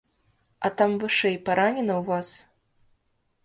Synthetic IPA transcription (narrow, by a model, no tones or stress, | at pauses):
ɐt̪amvɨʂɛjpaɾanʲɛnɐwvas